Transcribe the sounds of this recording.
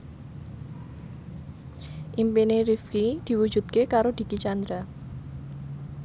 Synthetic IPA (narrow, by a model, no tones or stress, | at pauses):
ʔimpinerifkid̪̥i̤wu̥d͡ʒṳt̪̚kekaɾod̪̥i̤kit͡ʃand̪ɾa